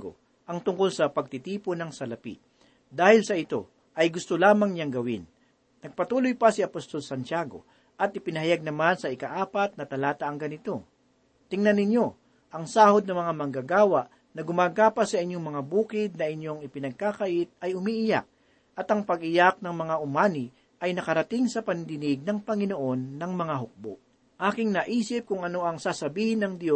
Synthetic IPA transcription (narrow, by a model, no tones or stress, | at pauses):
ɡo̰ | ʔɐŋt̪ʊŋko̞lsɐpɐɡ̚t̪ɪt̪iːponɐŋsɐlɐpḭ | d̪aːhɪlsɐɪt̪o̞̰ | ʔɐjɡʊst̪olaːmɐŋɲaŋɡɐwɪnː | ɐɡ̚pɐt̪uːlojpɐsiɐpost̪o̞lsɐnt͡ʃaːɡo̞̰ | ʔɐt̪̚ɪpɪnɐhɐjaɡ̚nɐmansɐɪkɐʔaːpɐt̪̚nɐt̪ɐlaːt̪ɐʔɐŋɡɐnɪt̪o̞ | t̪ɪŋnɐnːɪɲjo̞ | ʔɐŋsaːhod̪̚nɐmɐŋamɐŋɡaɡaːwaʔ | nɐɡʊmaːɡaːpɐsɐʔɪɲjoŋmɐŋabuːkɪd̪̚nɐʔɪɲjoŋɪpɪnɐɡ̚kakɐʔɪt̪̚ɐjʊmiʔɪjak̚ | ʔɐt̪ɐŋpɐɡʔɪjak̚nɐŋmɐŋaʔʊmaːnɪ | ʔɐjnɐkɐɾɐt̪ɪŋsɐpɐnd̪ɪnɪɡ̚nɐŋpɐŋɪnoʔo̞nːɐŋmɐŋaɦʊk̚bo̰ʔ | ʔaːkɪŋnɐʔiːsɪp̚kʊŋɐno̞ʔɐŋsaːsɐbiːhɪnːɐŋd̪jo